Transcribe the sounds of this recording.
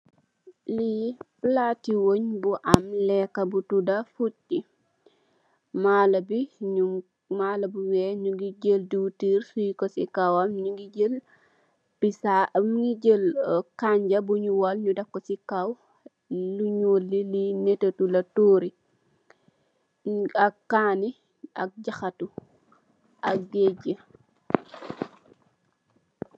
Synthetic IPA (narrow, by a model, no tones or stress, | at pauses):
liplatiwoɲbuʔamlɛkabutudafutːi | malabiɲu | malabuwɛɲuɡiɟəlduwtiɾsujikɔsikawamɲuɡiɟəl | pisamŋɡiɟəlkaɲɟɐbuɲuwalɲudɐkːɔsikaw | luɲoːlːilinɛtɐtulɐtoːɾi | ɐkkːaːni | ɐ̰k̚ɟɐxɐtu | ɐk̚ɡɛɟə